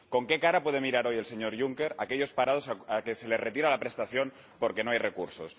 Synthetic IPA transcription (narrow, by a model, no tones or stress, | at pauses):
ko̞ŋkekaɾapwe̞ð̞emiɾaɾo̞je̞lse̞ɲo̞ɾʝuŋke̞ɾake̞ʎo̞spaɾað̞o̞saakese̞le̞zret̪iɾalapɾe̞st̪aθjo̞n | po̞ɾke̞no̞ajrekuɾsos